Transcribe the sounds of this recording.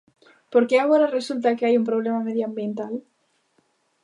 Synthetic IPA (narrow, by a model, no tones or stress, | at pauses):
po̞ɾkeaɣo̞ɾare̞sult̪̬akeajumpɾo̞β̞le̞mame̞ðjoambje̞nt̪al